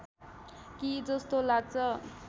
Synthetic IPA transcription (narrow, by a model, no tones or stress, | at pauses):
kid͡zʌst̪olaɡ̚t͡sʰʌ